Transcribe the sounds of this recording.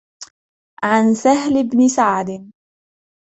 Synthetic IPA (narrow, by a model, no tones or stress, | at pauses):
ʕansaɦlɪbnɪsaʕd̪ɪn